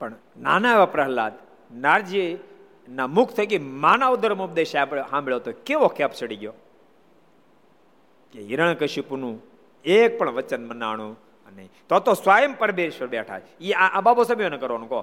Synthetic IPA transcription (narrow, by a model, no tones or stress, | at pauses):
pɐɳ | naːnaːʋɐpɾɐɦɐla̰ːt̪ | naːɾd͡ʒi | namukʰt̪ʰɐk̬imaːnaʋud̪ɐɾɐmupd̪eːʃapɦãːmiɭot̪okeʋokʰːeɐpsɐɽiɡjoː | keiɾɐɳ̃kɐʃipunu | eːk̚pɐɳʋɐt͡ʃɐnmɐnːa̰ːɳ̃u | ɐnḛt̪ot̪osʋaːjɐmpɐɾɐbeːʃʋɐɾbjaːʈʰa̰ː | iaabaːbosɐbʱjonɐkɐɾʋonũko